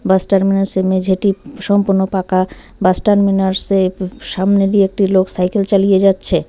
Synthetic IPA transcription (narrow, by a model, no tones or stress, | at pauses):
basʈaɾminaɾsemed͡ʑʱeʈiʃɔmpuɾnopaka | basʈaɾminaɾseʃamned̪ieek̚ʈiloksajkelt͡ɕalijed͡ʑatːɕʰe